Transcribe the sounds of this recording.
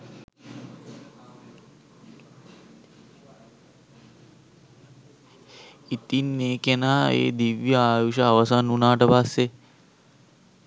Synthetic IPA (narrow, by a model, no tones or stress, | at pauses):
it̪inːeːkenaːḛːd̪iʋjəaːʋiʃaːʋasanunaːʈəpasːe